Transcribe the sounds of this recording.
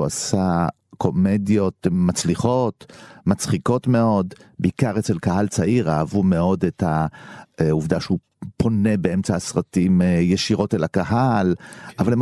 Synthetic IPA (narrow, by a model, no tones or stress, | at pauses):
uasa | kʰo̞medjo̞tmat͡sliχo̞tmat͡sχiko̞tme̞o̞dbeikaʁet͡selkaɦalt͡saiʁaːvume̞o̞detha | uvd̪aʃeu | pʰo̞ne̞beemt͡saːsʁatimjeʃiʁo̞telakaɦalavalem